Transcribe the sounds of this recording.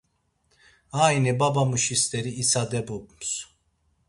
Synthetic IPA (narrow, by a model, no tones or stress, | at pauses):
aːinibabamuʃist̪ʼɛɾiːsad̪ɛbupms